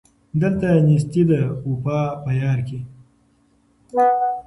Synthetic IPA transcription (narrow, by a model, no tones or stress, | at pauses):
d̪əlt̪anis̬t̪id̪əupɑpəjɑːɾke